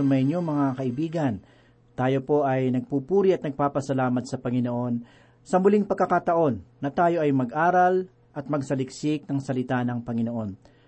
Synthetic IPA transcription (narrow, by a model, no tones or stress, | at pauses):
mɐɲoŋmɐŋakɐʔɪbiːɡɐn | t̪aːjo̞po̞ʔɐjnɐɡ̚pupuːɾiɐt̪̚nɐɡ̚paːpɐsɐlaːmɐt̪̚sɐpɐŋɪno̞ʔo̞n | sɐmʊliŋpɐɡkːɐkat̪ɐʔo̞nːɐt̪aːjo̞ʔɐjmɐɡʔaːɾɐl | ʔɐt̪̚mɐɡsɐlɪk̚sɪk̚nɐŋsɐlɪt̪anɐŋpɐŋɪno̞ʔo̞n